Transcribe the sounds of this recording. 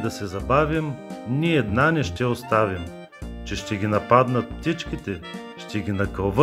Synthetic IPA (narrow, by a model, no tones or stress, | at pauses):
d̪ɐsɛzɐbavʲimniɛːd̪nanɛʃt̪ɛost̪avim | t͡ʃɛʃt̪ɛɡʲinɐpad̪nət̪ft̪it͡ʃkʲit̪ɛ | ʃt̪ɛɡʲinɐkəlˠvə